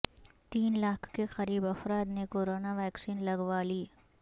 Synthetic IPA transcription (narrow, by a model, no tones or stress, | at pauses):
t̪iːnlaːkʰːexɐɾiːbɐfɾaːd̪nekoːɾoːnaʋɛːksiːnlɐɡʋaːliː